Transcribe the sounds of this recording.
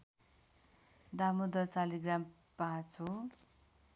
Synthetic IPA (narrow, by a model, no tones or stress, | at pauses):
d̪amud̪ʌt͡saliɡram | pãt͡sʰo